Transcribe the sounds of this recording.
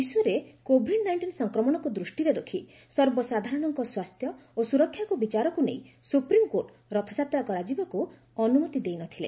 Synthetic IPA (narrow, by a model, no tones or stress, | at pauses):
isuɔɾekobʱiɖnajɳʈinsɔŋkɾɔmɔɽ̃ɔkud̪ɾusʈiɾeɾokʰi | sɔɾbɔsad̪ʱaɾɔɽ̃ɔŋkɔswast̪ʰjɔ | osuɾɔkʰːjakubit͡ʃaɾɔkunḛjsupɾimkoɾʈ | ɾɔt̪ʰḁt͡ʃat̪ɾakɔɾad͡ʒibɔku | ɔnumɔt̪id̪ejnɔt̪ʰilḛ